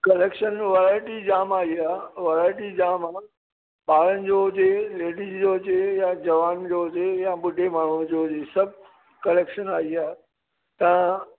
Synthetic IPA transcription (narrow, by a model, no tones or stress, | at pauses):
kɐleːkʃənʋaɾaːɪʈid͡ʑaːmaːiaːʋɐɾaːɪʈid͡ʑaːmaː | ɓaːɾənɪ̆d͡ʑoːɦʊd͡ʑeleːɖizd͡ʑoːɦʊd͡ʑejãd͡ʑɐʋaːnd͡ʑoːɦʊd͡ʑejãɓʊɖʱemaːɳ̤ud͡ʑoːɦʊd͡ʑesɐbʱ | kɐleːkʃənaːiaː | t̪ɐã